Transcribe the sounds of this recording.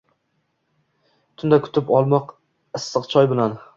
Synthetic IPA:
t̪ʰʊnd̪akʰʊ̥t̪ʰɪpɒlˠmɒq | ɨsːɨqt͡ʃʰɒjbɪlan

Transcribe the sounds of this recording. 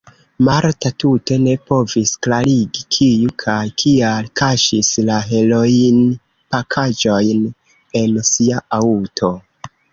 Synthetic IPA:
maɾtatute̞ne̞po̞visklaɾiɡikʰijukʰajkʰialkʰaʃislaɦe̞lojn | pakʰad͡ʒo̞jn | e̞nsiaʔautʰo̞

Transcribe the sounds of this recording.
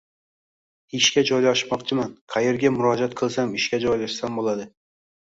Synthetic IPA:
ɪʃkʲad͡ʒɒjlaʃmɒqt͡ʃʰɪmanqʰɑjeɾɡʲamʊɾɒd͡ʒat̪̚qʰɨlˠsamɪʃkʲad͡ʒɒjlaʃsambolˠad̪ɪ

